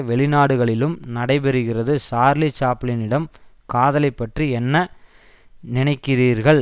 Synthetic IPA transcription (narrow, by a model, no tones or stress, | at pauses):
ʋɛɭɪnaːɽɯɣɐɭɪlɯmnɐɽɐɪpɛɾɯɣɪrɐðɯsaːɾlit͡ʃaːpɭɪnɪɽɐmkaːðɐlɐɪpːɐʈriɛnːɐ | nɪnɐɪkːɪriːɾɣɐɭ